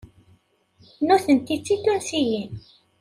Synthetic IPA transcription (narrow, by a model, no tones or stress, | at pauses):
nuθənt̪it͡sːit̪ːʊnsijin